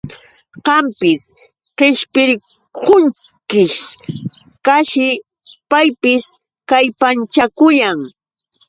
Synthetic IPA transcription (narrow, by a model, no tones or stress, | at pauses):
qɑmpɪs | qɪʃpɪɾ | kʰʊŋ | kɪʃ | kaʃɪ | pajpɪs | kajpant͡ʃakʊjaŋ